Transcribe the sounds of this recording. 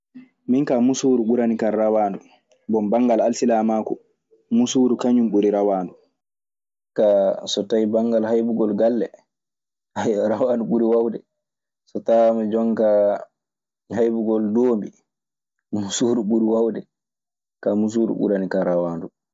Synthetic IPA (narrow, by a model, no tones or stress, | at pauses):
minkamusuɾuɓuɾanikaɾawandu | bɔmbaŋɡalalsilamakɔ | musuɾukaɲumɓuɾiɾawandu | kasɔtajbaŋɡalhajbuɡɔlɡalːɛ | hajɾawanduɓuɾiwawdɛ | sɔtawamad͡ʒɔŋka | ɦajbuɡɔldoːmbi | musuɾuɓuɾiwawdɛ | kamus̬uːɾṵɓṵɾanikaɾawandu